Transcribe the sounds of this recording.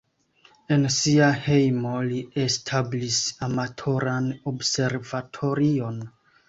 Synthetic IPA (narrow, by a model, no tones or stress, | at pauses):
e̞nsiahe̞jmoliestʰablisamatʰo̞ɾanobse̞ɾvatʰo̞ɾio̞n